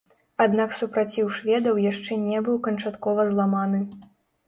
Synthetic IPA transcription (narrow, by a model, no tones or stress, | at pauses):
ad̪naksupɾat͡sʲiwʂvʲɛd̪ɐwjaʂt͡ʂɛnʲɛbɨwkɐnt͡ʂat̪kɔvɐzlˠamanɨ